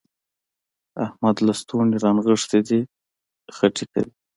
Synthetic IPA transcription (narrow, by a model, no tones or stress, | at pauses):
a̰hmad̪last̪uniɾɑnɣəʂt̪id̪i | xəʈika̰wi